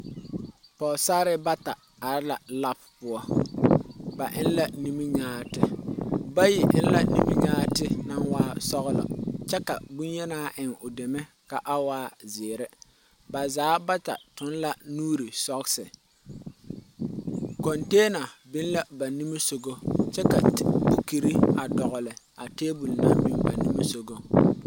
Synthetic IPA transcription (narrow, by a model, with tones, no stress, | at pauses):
pɔː˨sa˦ɾɪ˦ba˦ta˨ | a˨ɾɪ˦la˨la˦ppʊ˦ɔ˦ | ba˨ʔɪ˦n˦la˦ni˦mi˦ɲaː˦tɪ˦ba˦ji˨ʔɪ̰˦n˦la˦nḭ˦mi˦ɲaː˦tɪ˦na˦nwaː˦sɔ˦ɣʊ˦lɔ̰˨t͡ʃɛ˦ka˨bu˦n˦jɛ˦naː˦ʔɪ˨ŋʊ˨de˨mɛ˦ | ka˨ʔa˦waː˦zɪː˨ɾɪ˦ | ba˨zaː˨˦ba˦ta̰˨tʊ˨˦nla˦nuː˦ɾi˨sɔ˦ksɪ˨ | kɔ˨nteː˦na˨bɪ˦n˦la˦ba˨ni˦mi˦so˨ɡo˦t͡ʃɛ˦ka˨bu˦ki˨ɾi˦a˨dɔ˨ɣʊ˨lɪ˨ | a˨teː˦bu˨lna˦mi˨ba˨ni˦mi˦so˦ɡo˦